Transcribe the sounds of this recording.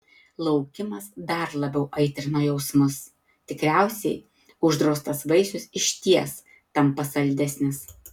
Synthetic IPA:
lˠɒʊkʲɪmɐsd̪ɐɾlˠɐbʲɛʊʔɐɪt̪ʲɾʲɪnoːjɛʊsmʊs | t̪ʲɪkɾʲæˑʊsʲɛɪ | ʊʒd̪ɾoːst̪ɐsʋɐɪsʲʊsɪʃʲt̪ʲiɛs | t̪ɐmpɐsɐlʲd̪ʲɛsʲnʲɪs

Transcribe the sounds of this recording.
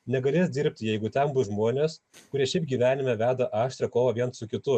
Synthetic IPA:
nʲɛɡɐlʲeːsd̪ʲɪːɾʲpʲt̪ʲjɛɪɡʊt̪ʲɛmbʊsʒmoːnʲeːs | kʊɾʲiɛʃʲɛɪp̚ɡʲiːʋʲæːnʲɪmʲɛʋʲæːd̪ɐʔɑːʃʲt̪ʲɾʲɛkoːʋɐʋʲiɛnt̪sʊkʲɪt̪ʊ

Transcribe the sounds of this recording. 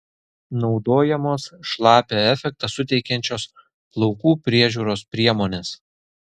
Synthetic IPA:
nɒʊd̪oːjɛmoːsʃlˠɑːpʲeɛfʲɛk̚t̪ɐsʊt̪ʲɛɪkʲɛnʲt͡ʃʲoːs | plˠɔʊkuːpʲɾʲiɛʒʲuːɾoːspʲɾʲiɛmoːnʲeːs

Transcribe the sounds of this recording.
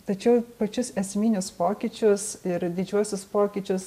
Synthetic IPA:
t̪ɐt͡ʃʲɛʊpɐt͡ʃʲʊsɛsʲmʲiːnʲʊspoːkʲit͡ʃʲʊsɪɾd̪ʲɪd͡ʒʲuɔsʲʊspoːkʲit͡ʃʲʊs

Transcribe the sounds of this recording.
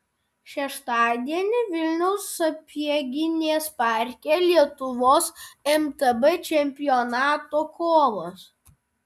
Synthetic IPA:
ʃʲɛʃt̪ɑːd̪ʲiɛnʲɪʋʲɪlʲnʲɛʊsɐpʲiɛɡʲɪnʲeːspɑˑɾʲkʲeːlʲiɛt̪ʊʋoːsɛmt̪ɛbɛt͡ʃʲɛmʲpʲɪjɔnɑːt̪oːkoːmɐs

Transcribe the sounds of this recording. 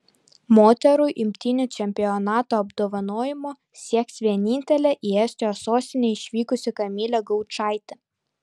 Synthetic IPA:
moːt̪ʲɛɾʊʔɪmʲt̪ʲɪnʲʊt͡ʃʲɛmʲpʲɪɔnɑːt̪oːɐbd̪oːʋɐnoːjɪmoː | sʲiɛksʋʲiɛnʲinʲt̪ʲɛlʲɛʔiɛsʲt̪ʲejoːsoːsʲt̪ʲɪnʲeɪʃʲʋʲiːkʊsʲɪkɐmʲiːlʲɛɡɔʊt͡ʃɑˑɪt̪ʲɪ

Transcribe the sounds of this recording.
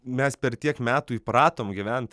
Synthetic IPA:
mʲɛspʲɛɾt̪ʲiɛkmʲæːt̪uːipɾɑːt̪oːmɡʲɪʋʲænt̪

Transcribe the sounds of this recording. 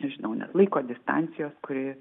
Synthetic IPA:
nʲɛʒʲɪnɐʊnʲɛ̰slˠɐɪkoːd̪ʲɪst̪ɑ̰nʲsʲɪjoːskʊɾʲɪ

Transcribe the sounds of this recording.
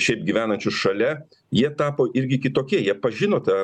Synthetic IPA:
ʃʲɛɪp̚ɡʲɪʋʲæːnɐnʲt͡ʃʲʊsʃɐlʲɛ | jiɛt̪ɑːpoːʔɪɾʲɡʲɪkʲɪt̪oːkʲiɛjiɛpɐʒʲɪnoːt̪ɑ

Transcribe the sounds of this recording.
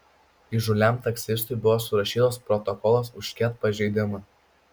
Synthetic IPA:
iʒʊlʲæˑmt̪ɐkʲsʲɪst̪ʊjbʊʋoːsʊɾɐʃʲiːt̪oːspɾɔt̪ɔkɔlˠosʊʃʲkʲɛt̪̚pɐʒʲɛɪd̪ʲɪmɐ

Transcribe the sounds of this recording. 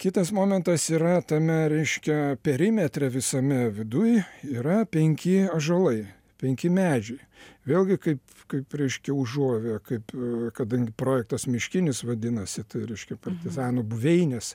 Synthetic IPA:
kʲɪt̪ɐsmoːmʲɛnt̪ɐsiːɾɐt̪ɐmʲɛɾʲɛɪʃʲkʲɛpʲɛɾʲɪmʲɛt̪ʲɾʲɛʋʲɪsɐmʲɛʋʲɪd̪ʊjiːɾɐpʲɛŋʲkʲɪɐʒɐlˠɐɪ | pʲɛŋʲkʲɪmʲæːd͡ʒʲɛɪ | ʋʲeːlʲˠɡʲɪkɐɪp | kɐɪpɾʲɛɪʃʲkʲɛʊʒuɔʋʲekɐɪpkɐd̪ɐŋʲɡʲɪpɾoːjɛk̚t̪ɐsmʲɪʃʲkʲɪnʲɪsʋɐd̪ʲɪnɐsʲɪt̪ɐɪɾʲɛɪʃʲkʲɛpɐrʲt̪ʲɪzɑːnobʊʋʲɛɪnʲɛs

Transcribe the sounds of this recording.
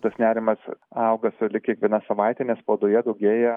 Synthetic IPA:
t̪ɐsnʲæːɾʲɪmɐsɐʊɡɐsʊlʲɪkʲiɛkʋʲiɛnɑsɐʋɑɪt̪ʲɛnʲɛspoːd̪oːjɛd̪ɐʊɡʲeːjɛ

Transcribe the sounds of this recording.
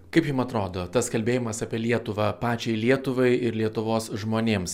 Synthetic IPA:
kɐɪpjɪmɐt̪ɾoːd̪oːt̪ɐskɐlʲbʲeːjɪmɐsɑːpʲiɛlʲiɛt̪ʊʋɐpɑːt͡ʃʲɛɪlʲiɛt̪ʊʋɐɪɪɾlʲiɛt̪ʊʋoːsʒmoːnʲeːms

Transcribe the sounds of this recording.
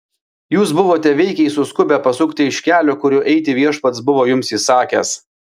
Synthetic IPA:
juːs̬bʊʋoːt̪ʲɛʋʲɛɪkʲɛɪsʊskʊbʲɛpɐsʊkt̪ʲɪɪʃʲkʲæːlʲoːkʊɾʲʊʔɛɪt̪ʲɪʋʲiɛʃpɐt̪sbʊʋoːjʊmsisɑːkʲɛ̰s

